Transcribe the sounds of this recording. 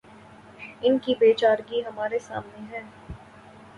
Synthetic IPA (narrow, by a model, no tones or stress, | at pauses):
ɪnkibeːt͡ʃaːɾɡiɦɐmaːɾesa̰ːmneɦɛ̃ː